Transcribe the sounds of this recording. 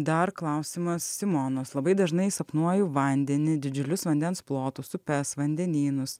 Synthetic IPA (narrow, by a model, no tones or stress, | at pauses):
d̪ɐɾklˠɐʊsʲimɐssʲɪmɔnoːslˠɐbɐɪd̪ɐʒnɐɪsɐpnuɔjʊʋɐnʲd̪ʲɛnʲɪd̪ʲɪd͡ʒʲʊlʲʊsʋɐnʲd̪ʲɛnsplˠoːt̪ʊsʊpʲɛsʋɐnʲd̪ʲɛnʲiːnʊs